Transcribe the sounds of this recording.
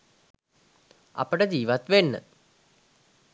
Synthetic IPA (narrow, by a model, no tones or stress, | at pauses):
a̰pəʈəd͡ʑiːʋat̪ʋenːə̰